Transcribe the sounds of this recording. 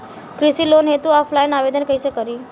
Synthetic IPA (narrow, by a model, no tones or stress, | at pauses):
kɾɪsilonɦet̪uaflajnaʋed̪ənkəjsekəɾi